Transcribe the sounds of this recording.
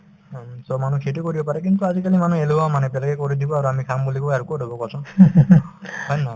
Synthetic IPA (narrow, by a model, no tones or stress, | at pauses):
sɔmanukʰetikɔɾibɔpaɾɛkint̪uazikalimanueluamanɛbɛlakɛkɔɾid̪ibɔaɾuamikʰambulikoaɾukodʱɔbɔkɔsʰɔ | hɔjna